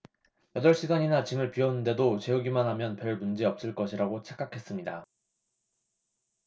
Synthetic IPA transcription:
jʌdʌɭɕ͈iɡaɲinat͡ɕimɯɭpiʌnɯnde̞dot͡ɕe̞uɡimanɦamjʌnpjʌɭmund͡ʑeʌp̚s͈ɯɭk͈ʌɕʰiɾaɡot͡ɕʰek͈akʰe̞s͈ɯmɲida

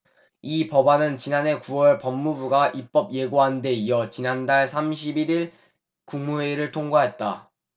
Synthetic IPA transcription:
ipʌbanɯnt͡ɕinane̞kuwʌɭpʌmːubuɡaʔip͈ʌb̚je̞ɡoɦande̞ijʌt͡ɕinandaɭsʰamɕʰibiɾiɭ | kuŋmuwe̞ɾɯɭtʰoŋɡwaɦe̞t̚t͈a̰

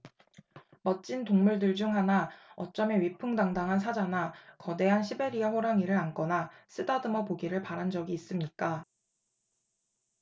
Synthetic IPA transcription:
mʌt͡ɕ͈intoŋmuɭdɯɭd͡ʑuŋɦanaʌt͡ɕ͈ʌme̞ɥipʰɯŋdaŋdaŋɦansʰad͡ʑanakʌde̞ɦanɕʰibe̞ɾiaɸoɾaŋiɾɯɾank͈ʌnasʰɯdadɯmʌpoɡiɾɯɭpaɾand͡ʑʌɡiːs͈ɯmɲik͈a

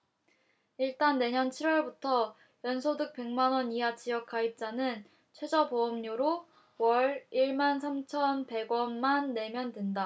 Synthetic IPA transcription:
iɭt͈anːe̞ɲʌnt͡ɕʰiɾwʌɭbutʰʌ | jʌnsʰodɯk̚p͈e̞ŋmanwʌniat͡ɕijʌk͈ʰaip̚t͡ɕ͈anɯn | t͡ɕʰwe̞d͡ʑʌboʌmɲoɾo | wʌɾiɭmansʰamt͡ɕʰʌnpe̞ɡwʌnmanːe̞mjʌndwenda

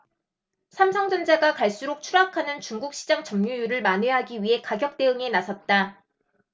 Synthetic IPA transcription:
sʰamsʰʌŋd͡ʑʌnd͡ʑaɡakaɭs͈uɾok̚t͡ɕʰuɾakʰanɯnt͡ɕuŋɡuk̚ɕ͈ʰid͡ʑaŋt͡ɕʌmɲujuɾɯɭmanwe̞ɦaɡiɥiɦe̞kaɡjʌk̚t͈e̞ɯŋe̞nasʰʌt̚t͈a

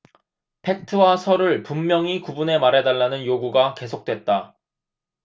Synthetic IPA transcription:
pʰe̞k̚tʰɯwasʰʌɾɯɭpumːjʌŋikubune̞maɾɦe̞daɭːanɯnjoɡuɡake̞sʰok̚t͈we̞t̚t͈a

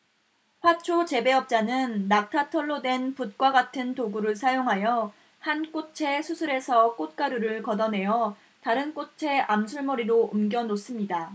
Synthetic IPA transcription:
ɸwat͡ɕʰot͡ɕe̞be̞ʌp̚t͡ɕ͈anɯnːak̚tʰatʰʌɭːodwe̞nput̚k͈waɡatʰɯntoɡuɾɯɭsʰajoŋɦajʌ | hank͈ot͡ɕʰe̞sʰusʰuɾe̞sʰʌk͈ot̚k͈aɾuɾɯɭkʌdʌnɦe̞jʌ | taɾɯnk͈ot͡ɕʰe̞ʔamsʰuɭmʌɾiɾoɯmɡjʌnos͈ɯmɲida

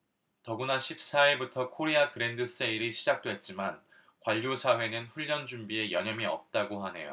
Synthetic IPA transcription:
tʌɡunaɕʰip̚s͈aiɭbutʰʌkʰoɾiakɯɾe̞ndɯs͈eiɾiɕʰid͡ʑak̚t͈we̞t̚t͡ɕ͈iman | kwaʎːosʰawe̞nɯnɸuʎːʌnd͡ʑumbie̞jʌɲʌmiʌ̰p̚t͈aɡoɦanɦe̞̰jo̰

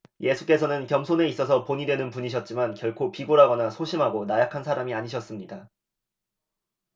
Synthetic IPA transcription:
je̞sʰu̥k͈e̞sʰʌnɯnkjʌmsʰone̞is͈ʌs̬ʰʌpoɲidwe̞nɯnpuɲiɕ̬ʰʌt̚t͡ɕ͈imankjʌɭkʰopiɡoɾɦaɡʌnasʰoɕʰimɦaɡonajakʰansʰaɾamiaɲiɕʰʌs͈ɯmɲida

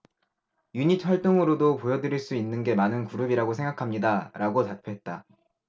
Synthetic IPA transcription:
juɲit͡ɕʰwʌɭt͈oŋɯɾodopojʌdɯɾiɭs͈uinːɯnɡe̞manɯnkuɾubiɾaɡosʰe̞ŋɡakʰamɲidaɾʔaɡotapʰjoɦe̞t̚t͈a

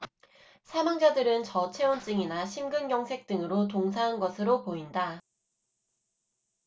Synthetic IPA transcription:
sʰamaŋd͡ʑadɯɾɯnt͡ɕʌt͡ɕʰe̞ont͡ɕ͈ɯŋinaɕʰimɡɯnɡjʌŋsʰe̞k̚t͈ɯŋɯɾot̬oŋsʰaɦanɡʌsʰɯɾopoinda

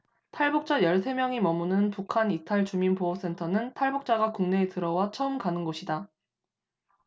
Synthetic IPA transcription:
tʰaɭbuk̚t͡ɕ͈ajʌɭsʰe̞mjʌŋimʌmunɯnpukʰanitʰaɭt͡ɕuminpoʌs͈e̞ntʰʌnɯntʰaɭbuk̚t͡ɕ͈aɡakuŋne̞ːtɯɾʌwat͡ɕʰʌɯmkanɯnɡoɕʰida

